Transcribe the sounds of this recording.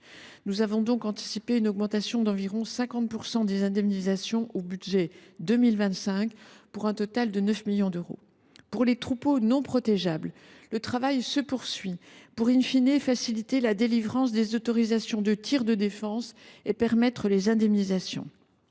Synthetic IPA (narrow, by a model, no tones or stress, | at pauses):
nuzavɔ̃d̪ɔ̃kɑ̃t̪i̥sipeynɔɡmɑ̃t̪asjɔ̃d̪ɑ̃viʁɔ̃sɛ̃kɑ̃t̪̚puʁsɑ̃d̪ezɛ̃d̪ɛmnizasjɔ̃ʔobyd̪ʒɛd̪ømilvɛ̃t̪sɛ̃kpuʁɛ̃t̪ɔt̪ald̪ənœfmiljɔ̃d̪øʁo̰ | puʁlet̪χuponɔ̃pχɔt̪ɛʒabl | lət̪χavajsəpuʁsɥipuʁĩnfinefasilit̪elad̪elivʁɑ̃s̬d̪ezot̪ɔʁizasjɔ̃d̪ət̪ʰiʁd̪əd̪efɑ̃sepɛʁmɛt̪χəlezɛ̃d̪ɛmnizasjɔ̰̃